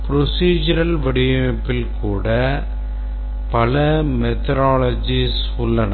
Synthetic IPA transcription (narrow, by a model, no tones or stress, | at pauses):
pɪɾɔsiːd͡ʒɐɾɐlʋɐɽɪjɐpːɪlkuːɽɐ | pɐlɐmɛt̪ɐɾaːlɐd͡ʒis | ʊlːɐnɐ